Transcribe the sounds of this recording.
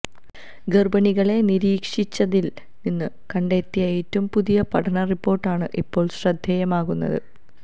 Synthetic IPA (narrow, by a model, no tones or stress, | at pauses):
ɡerbɐɳiɣɐɭe̞niɾiːkʂit͡ɕːɐðil | ninːɨ | kɐɳɖe̞ːt̪ːijɐeːtːɐmpuðijɐpɐʈʰɐɳɐripːo̞ːrʈːaːɳɨʔipːo̞ːɭɕrɐd̪ʱjɐjɐmaːɣunːɐ̰ðɨ̰